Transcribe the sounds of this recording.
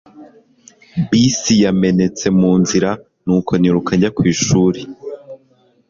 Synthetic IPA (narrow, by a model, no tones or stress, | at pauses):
bisijame̞ne̞t͡se̞muːnziɾa | nuːkʰo̞niɾukaɲɟakwiːʃuːɾe